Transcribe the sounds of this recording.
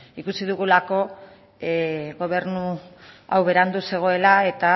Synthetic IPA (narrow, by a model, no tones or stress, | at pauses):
ikusiðuɣulako̞ | ɣo̞β̞e̞ɾnua̰wβe̞ɾand̪use̞ɣ̞o̞e̞lae̞t̪a